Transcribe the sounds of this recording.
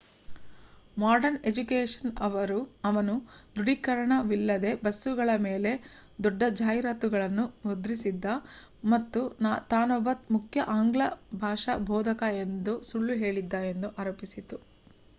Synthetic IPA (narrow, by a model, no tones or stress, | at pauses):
maːɾɖɐɾne̞d͡ʒukeːʂɐ̥nɐʋɐɾuɐʋɐnud̪uɽikɐɾɐɳɐʋilːɐd̪e̞bɐsːuɡɐɭɐme̞ːle̞ | d̪ɔɖːɐd͡ʒaːjɾaːt̪uɡɐɭɐnːumod̪ɾisid̪ːɐ | mɐt̪ːunaːt̪aːnɔbɐt̪mukʰjɐʔaːŋɡɭɐbʱaːʂɐbʱɔːd̪ʱɐkɐe̞nd̪usuɭːuɦe̞ːɭid̪ːaːje̞nd̪uʔaːɾɐːpisit̪u